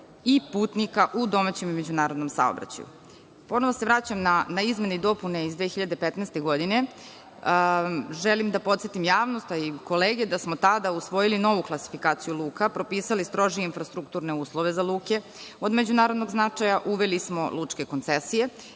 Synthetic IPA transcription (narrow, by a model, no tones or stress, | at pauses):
ipuːt̪nikaʔud̪o̞mat͡ɕe̞mimed͡ʑunaːɾo̞d̪no̞msa̰o̰bɾa̰t͡ɕa̰jṵ | po̞noʋosevɾat͡ɕamnanaizme̞neid̪o̞pune̞izd̪ʋexiʎad̪epet̪nɛst̪e̞ɡo̞d̪ine̞ | ʒelimd̪apo̞t̪et̪imjaːʋno̞st̪aiko̞leːɡed̪asmot̪ad̪ausʋo̞jilino̞ʋuklˠasi̥fikaːt̪sijulˠuːkapɾo̞piːsalist̪ɾo̞ʒijeinfɾast̪ɾukt̪uːɾne̞uːslˠo̞ʋe̞zaluːke | o̞d̪med͡ʑunaːɾod̪no̞ɡznat͡ʂajaʔuʋelismolut͡ʂke̞ko̞nt̪sesije